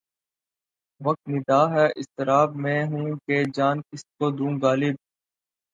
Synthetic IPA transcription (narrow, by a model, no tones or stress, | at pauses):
ʋɐk̚t̪nɪd̪aːɦɛʔɪst̪ɪɾaːb̚mẽːɦũːked͡ʒaːnkɪskoːd̪ũːɡaːlɪb̚